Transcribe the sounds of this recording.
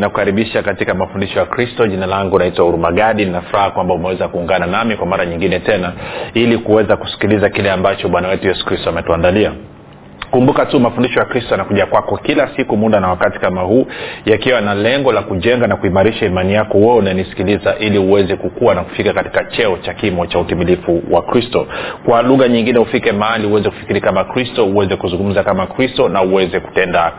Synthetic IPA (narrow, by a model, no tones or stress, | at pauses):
naku̥kaɾiɓiʃakatikamafundiʃɔjakɾistɔʄinalaŋɡunaitwauɾumaɠaɗininafuɾahakwambaumɛwɛzakuːŋɡananamikwamaɾaɲiŋɡinɛtɛnailikuwɛzaku̥si̥kilizakilɛambat͡ʃɔɓanawɛtujɛsu̥kɾistɔamɛtuandalia | kumbukatumafundiʃɔjakɾistɔjanakuʄakwakɔkilasikumuɗanawakati̥kamaɦuːjakiwanalɛŋɡɔlakuʄɛŋɡanakuimaɾiʃaimanijakɔwɛunanisi̥kilizaʔiliuwɛzɛkukuwanaku̥fikakati̥kat͡ʃɛɔt͡ʃakimɔt͡ʃautimilifuwʔakɾistɔkwaluɣaɲiŋɡinɛufikɛmahaliuwɛzɛku̥fi̥kiɾikamakɾistɔuwɛzɛkuzuŋɡum̩zakamakɾistɔnauwɛzɛku̥tɛnda